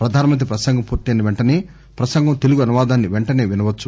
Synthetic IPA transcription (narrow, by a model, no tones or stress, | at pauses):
pɾɐd̪ʱaːnɐmɐnt̪ɾipɾɐsɐŋɡʱɐmpuːɾt̪iɐnːɐʋeɳʈɐneː | pɾɐsɐŋɡʱɐmt̪e̞luɡuɐnuʋaːd̪aːnːiʋeɳʈɐne̞ːʋinɐʋɐt͡ʃːu